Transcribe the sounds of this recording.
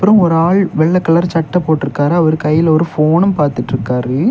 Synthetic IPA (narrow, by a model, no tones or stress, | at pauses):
pːɯɾɐ̃ɔɾɯaːɭʋɛɭːɐkːɐɭɐɾt͡ʃɐʈːɐpːoːʈːɪɾɯkːaːɾɯɐʋɐɾɯkɐjːɪlɔɾɯfoːnɐmpaːɾt̪ɪʈːɪɾɯkːaːɾɯ